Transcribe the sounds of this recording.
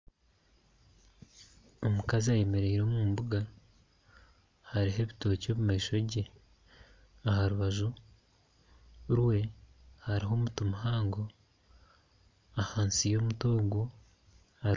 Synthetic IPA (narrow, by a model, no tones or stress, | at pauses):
omukaziaje̞me̞ɾe̞iɾo̞ːmuːmbuɡa | haɾiɦe̞βito̞ːco̞ːβumaiʃo̞ɟe̞ | ahaɾuβaʒu | ɾwe̞haɾiɦo̞ːmutumuɦaːŋɡo̞ | ahaːnsijo̞ːmutoːɡo | ha